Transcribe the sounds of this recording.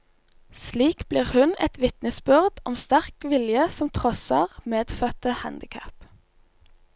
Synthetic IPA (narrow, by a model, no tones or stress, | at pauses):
sliːkb̥liːʁhʉnɛt̪ʋɪt̪nəsbʉʁd̪ɔmst̪æʁkʋɪljəsɔmt̪ʰʁɔsɑʁmeːd̪̥fœt̪əhænd̪ɪkʰæp